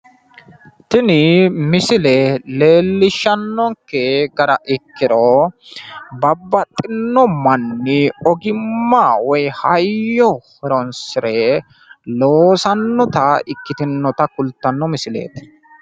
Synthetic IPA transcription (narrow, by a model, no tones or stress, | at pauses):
t̪ɪnɪmɪsɪlɛle̞ːlːɪʃːɐnːɔŋkːɛɡɐɾɐʔɪkːɪɾo | bɐbːɐt̪ʼːɪnːɔmːɐnːɪɔɡɪmːaːwɔjhɐjːɔhɛɾɔnsɪɾɛ | loːsɐnːɔt̪ɐɪkːɪt̪ɪnːɔt̪ɐkʊlt̪ːɐnːɔmɪsɪlḛːt̪